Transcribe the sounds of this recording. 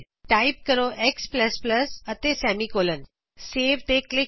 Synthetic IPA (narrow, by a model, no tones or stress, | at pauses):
ʈaip̚kəɾoʔekspləspləsət̪esɛmikoːlən | seːʋʈ̪ek̚ʈlɪ